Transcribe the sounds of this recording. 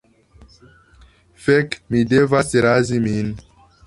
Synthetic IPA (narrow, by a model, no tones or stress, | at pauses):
fɛkmidevaseɾazimin